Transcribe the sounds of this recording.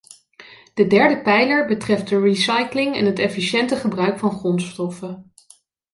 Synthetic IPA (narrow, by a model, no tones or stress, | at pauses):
d̥ədɛɹdəpɛjləɹbətrɛft̚dəɹisɑjklɪŋɛ̰nɦətɛfiʃɛntəχəbrœɥkfɑnχrɔnstɔfə